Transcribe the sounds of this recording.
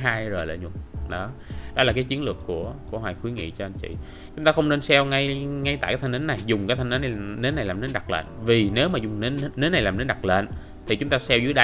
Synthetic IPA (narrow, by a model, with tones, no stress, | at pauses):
ɦaː˧jzo˨˩jlḛ˧˨ɲʊ˨˩ɗɔ˨˦ɗɔ˨˦laː˨˩kaː˨˦jt͡ɕi˨˦ənlɨ˨˩əkːu˧˩əku˧˩əwaː˨˩jxwi˨˦ŋḭ˧˨t͡ɕɔ˧ʔa˧jnt͡ɕḭ˧˨ | t͡ɕt͡ɕʊ˨˦ŋ͡mt̪aː˧xə˧wŋ͡mne˧nsɛ˧wŋa˧jŋa˧jt̪a̰˧˨kːt̪ʰŋt̪ːnːa˨˩jzʊ˨˩ŋ͡mkaː˨˦jt̪ʰa˧ŋnʔə˨˦n˨˩ne˨˦na˨˩jlaː˨˩mne˨˦nɗa˨˩k̚lḛː˧˨nvi˨˩ne˨˦wmaː˨˩zʊ˨˩ŋ͡mne˨˦na˨˩jlaː˨˩mne˨˦nɗa˨˩k̚lḛ˧˨n | t̪ʰi˨˩t͡ɕʊ˨˦ŋ͡mt̪aː˧sɛ˧wzɨ˨˦jɗa˧